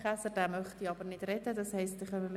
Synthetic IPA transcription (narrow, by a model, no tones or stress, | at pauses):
χæsəd̥æːmœχtiɑbəɾnɪd̥rɛdədɑshɛɪstɪχœməl